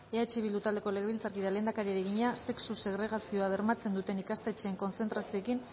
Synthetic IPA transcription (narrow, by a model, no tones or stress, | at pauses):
eat͡ʃiβild̪ut̪ald̪eko̞leɣβilt͡saɾkiðale̞ːnd̪akaɾieɾeɣiɲase̞ksuse̞ɣ̞ɾe̞ɣ̞asio̞aβe̞ɾmat͡se̞nd̪ut̪e̞nikast̪et͡ʃeːŋko̞nt͡se̞nt̪ɾasio̞ekin